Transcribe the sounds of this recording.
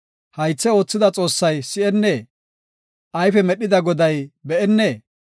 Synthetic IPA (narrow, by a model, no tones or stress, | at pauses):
hɐjt͡sːɛo̞ːt͡sːɪd̪ɐt͡sʼo̞ːsːɐjsɪɛnːeː | ʔɐjfɛmɛɗɪd̪ɐɡɔd̪ɐjbɛʔɛnːeː